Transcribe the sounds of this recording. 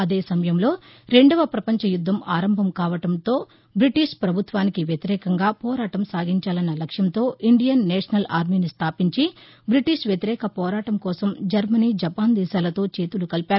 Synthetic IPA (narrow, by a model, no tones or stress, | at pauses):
ɐd̪e̞ːsɐmɐjɐmlo̞ːɾe̞ɳɖɐʋɐpɾɐpɐɲt͡ʃɐjud̪ʱːɐmaːɾɐmbʱɐmkaːʋɐʈɐmt̪o̞ː | bɾiʈiʂpɾɐbʱut̪ʋaːnikiʋjɐt̪iɾɛːkɐŋɡaːpɔːɾaːʈɐmsaːɡiɲt͡ʃaːlɐnːɐlɐkʂjɐnt̪o̞ːʔiɳɖijɐnːɛːʂɐnɐla̰ːɾmiːnist̪ʰaːpiɲt͡ʃi | bɾiʈiʂʋjɐt̪iɾɛːkɐpɔːɾaːʈɐmkɔːsɐmd͡ʒɐɾmɐniːd͡ʒɐpaːnd̪iːsaːlɐt̪o̞ːt͡ʃe̞ːt̪ulukɐlpaːɾu